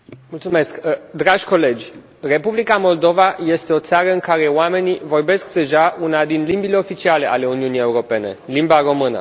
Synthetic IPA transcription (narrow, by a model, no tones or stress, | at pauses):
mult̪sume̞skd̪ɾaʒʲko̞le̞d͡ʒʲ | re̞publikamo̞ld̪o̞vaje̞st̪e̞o̞t̪saɾəɨŋkaɾe̞oame̞nivo̞rbe̞sk̚d̪e̞ʒaunad̪inlimbile̞o̞fit͡ʃiale̞ʔa̰le̞uniunije̞uɾo̞pe̞ne̞̰limbaro̞mɨnə̰